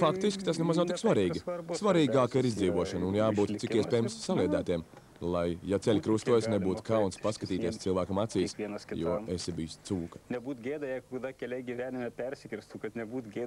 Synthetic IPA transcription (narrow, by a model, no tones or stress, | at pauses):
fakt̪iskʲt̪asnɛmaznawt̪iksvaɾiːɡisvaɾiːɡaːkɐiɾizd̪ziːʋuɔʃɐnunjaːbuːt̪sikiɛspʲɛːjɛmsːalˠiɛd̪æːt̪iɛm | lˠajːat̪sɛlʲkɾust̪uɔjsnebuːt̪u̥kawnspaskɐt̪iːt̪iɛst̪ilˠvæːkɐmat̪siːsʲinsʲjuɔesɛbijust̪suːkɐ̥nʲɛbuːt̪ɡʲeːd̪ɐjɛkokɐd̪ɑkʲɛlʲɛɡʲiʋʲæːnʲɪmʲɛpʲæɾʲsʲɪkɾʲɪst̪ukɐt̪nʲɛbuːt̪ɡʲeː